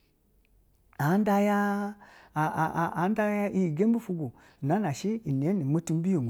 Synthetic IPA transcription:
a˨˦n˦da˧ja˦˨ | a˨˦da˦ja˦i˦˨ɡe˦m˦bu˦fu˧ɡu˨ | n˨a˨˦na˨ʃi˦i˨n˨e˨˦ni˨mo˦tu˦m˦bi˦jo˨

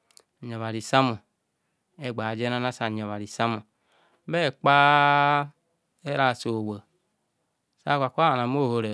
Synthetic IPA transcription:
ɲ˨o˨βa˨ɾi˨sa˦mu˨ | e˦˨ɡ͡ba˨d͡ʒe˦na˦na˦sa˨ɲ˨o˨βa˨ɾi˨sa˦mu˨˦ | be˦˨k͡pa˦ | e˦ɾa˨so˨we˨ | sa˦kʷa˨kʷa˨na˨m˦o˦˨ho˧ɾe˨

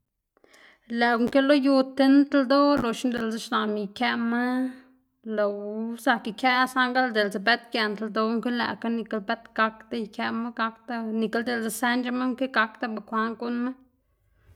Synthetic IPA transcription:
læ˨ku˦ŋke˦lo˦ju˧t̪e˦n˦t̪ld̪o˦lo˨ʃnd̪e˨lza˧ʃna˨mi˨kʲe˧ma˦ | lo˨wsa˧ki˨kʲja˦sa˦ŋɡa˦ld̪e˨lza˨be˦t̪kje˧nt̪a˧ld̪o˧˦ŋke˦læ̰˨ka˦ni˧ka˧lbe˦t̪ɡa˧kt̪a˦jkʲe˧ma˦ɡa˧kt̪a˦ni˨ka˦ld̪e˨ld͡za˧sa˧nd͡ʒa˧˦ma˦ŋke˦ɡa˧kt̪a˦ba˨kʷa˧ŋɡu˦nma˦

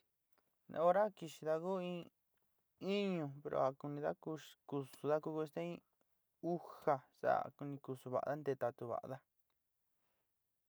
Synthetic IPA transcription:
nḛ̃˧o˧ɾa˦ki˧ʃi˧ða˧ku˦ĩ˧ | i˦ɲũ˧pe˧ɾʔo̰˧˨a˨ku˧nĩ˧ða̰˦ku˧ku˧su˨˧ða˦ku˧ku˧ʃt̪a˦ĩ˦˧ | u˦ha˧sa̰˦˨ku˧nĩ˧ku˧su˧βa̰˨ʔa̰˧ða˦nd̪e˧t̪a˧t̪u˧βa̰˨ʔa̰˧ða˦

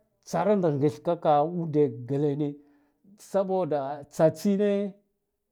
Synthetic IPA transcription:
t͡sa˨ɾa˦nda˨ŋɡi˨ɬka˦ka˨u˦de˨ɡa˨le˨ne˦ | sa˦bo˦da˨t͡sa˨t͡si˦ne˦

